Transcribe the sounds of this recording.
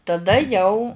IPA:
tɐˈdɐ ˈjɛʊ

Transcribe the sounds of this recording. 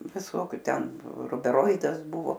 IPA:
ʋʲɪˈsoːkʲʊ ˈtʲɛn rʊbʲɛˈroːɪdɐs ˈbʊʋoː

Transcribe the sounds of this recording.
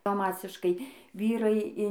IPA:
bɐ ˈmɑːsʲɪʃkɐɪ ˈʋʲiːrɐɪ ɪn

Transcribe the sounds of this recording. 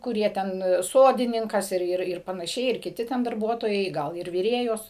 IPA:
kʊˈrʲiɛ ˈtʲɛn ˈsoːdʲɪnʲɪŋkɐs ˈɪr ˈɪr ɪr pɐnɐˈʃʲɛɪ ɪr kʲɪˈtʲɪ tʲɛn dɐrˈbuɔtoːjɛɪ ˈɡɐlˠ ɪr ʋʲɪˈrʲeːjoːs

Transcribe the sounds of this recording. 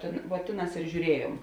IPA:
tʲeːn ʋuɔ ˈtʲeːˌnɑːs ɪr ʒʲuːˈrʲiɛjuɔm

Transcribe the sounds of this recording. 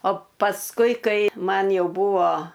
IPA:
oː pɐsˈkʊɪ ˈkɐɪ ˈmɐn ˈjɛʊ ˈbuːʋoː

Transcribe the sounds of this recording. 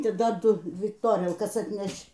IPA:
tɐɪ ˈdɐr ˈdʊ ˈdʲʋʲɪ toːˈrʲiɛlˠkɐs ɐtʲˈnʲɛʃt͡ʃ

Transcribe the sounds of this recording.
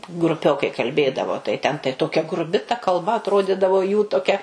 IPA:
ɡrʊˈpʲoːkɐɪ kɐlʲˈbʲeːdɐʋoː tɐɪ ˈtʲɛn tɐɪ ˈtoːkʲɛ ɡrʊˈbʲɪ tɐ kɐlˠˈbɐ ɐtˈroːdʲɪdɐʋoː juː toːˈkʲɛ

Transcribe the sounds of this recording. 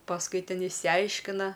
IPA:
pɐsˈkʊɪ ˈtʲɛn ɪʃʲsʲɪˈɐɪʃʲkʲɪnɐ

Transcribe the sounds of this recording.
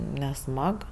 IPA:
nʲɛˈsmɐk

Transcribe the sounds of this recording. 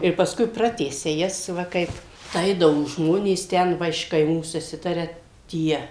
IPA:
ɪr pɐsˈkʊɪ ˈprɑːtʲæːsʲɛ ˈjɛs ˈʋɐ ˈkɐɪp ˈɐɪdɐʋoː ˈʒmoːnʲeːs ˈtʲɛn ˈʋɐ ɪʃ kɐɪˈmuː sʊˈsʲɪtɐrʲɛ ˈtʲiɛ

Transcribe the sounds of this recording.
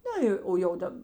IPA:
ˈnɐ joː oː jɛʊ ˈdɐp

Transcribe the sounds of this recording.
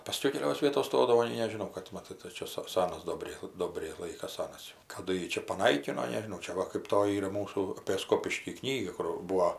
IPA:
pɐˈsʲkʲɛʊ kʲɛˈlʲoːs ˈʋʲiɛtoːs ˈstoːdɐʋoː nʲɛɪ nʲɛʒʲɪˈnɐʊ kɐt mɐˈtɐɪ tɐɪ ˈt͡ʃʲɛ sɐ ˈsɑːnɐs ˈdoːbʲrʲɛɪ ˈdoːbʲrʲɛɪ ˈlˠɐɪkɐs ˈsɑːnɐs jɛʊ kɐˈdʊ ˈjiː t͡ʃʲɛ pɐˈnɐɪkʲɪnoː nʲɛʒʲɪˈnɐʊ t͡ʃʲɛ ˈʋɐ kɜp ˈtoːjɪ ˈiːrɐ ˈmuːsuː ɐpʲeː ˈskoːpʲɪʃʲkʲiː ˈknʲiːɡɐ kʊr ˈbuːoː

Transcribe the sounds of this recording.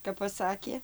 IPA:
kɐp pɐˈsɑːkʲeː

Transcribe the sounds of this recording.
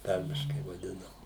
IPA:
ˈtɐrʲmʲɪʃkɐɪ ʋɐˈdʲɪnɐm

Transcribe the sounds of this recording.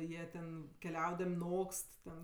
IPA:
ˈjiɛ tʲɛn kʲɛˈlʲɛʊdɐmʲ ˈnoːkst tʲɛn

